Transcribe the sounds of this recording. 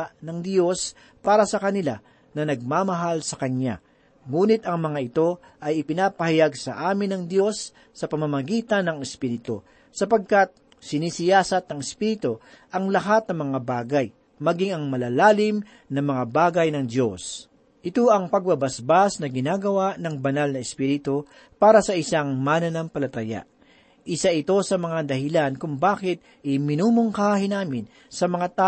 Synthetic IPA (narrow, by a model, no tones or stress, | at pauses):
nɐŋd̪jo̞s | paːɾɐsɐkɐnɪla̰ | nɐnɐɡ̚maːmɐɦalsɐkɐnja̰ | ŋuːnɪt̪ɐŋmɐŋaɪt̪o̞ | ʔɐjɪpɪnaːpɐhɐjaɡsɐ̰ʔaːmɪnːɐŋd̪jo̞sː | ɐpɐmɐmɐɡiːt̪ɐnɐŋɛspiːɾɪt̪o̰ | sɐpɐɡ̚kat̪̚ | sɪnisɪjaːsɐt̪̚ːɐŋɪspiɾɪt̪oʔɐŋlɐɦat̪̚nɐŋmɐŋabaːɡɐj | mɐɡiŋɐŋmɐlalaːlɪm | nɐmɐŋabaːɡɐjnɐŋd̪jo̞s | ʔɪt̪oʔɐŋpɐɡ̚bɐbɐsbasnɐɡɪnaːɡɐwaʔnɐŋbɐnalnɐɛspiːɾɪt̪o | paːɾɐsɐʔɪsaŋmaːnɐnɐmpɐlɐt̪ɐja̰ | ʔɪsaʔɪt̪o̞sɐmɐŋad̪ɐhɪlankʊŋbaːkɪt̪̚ | ʔɪmɪnuːmoŋkahɪnaːmɪn | sɐmɐŋat̪a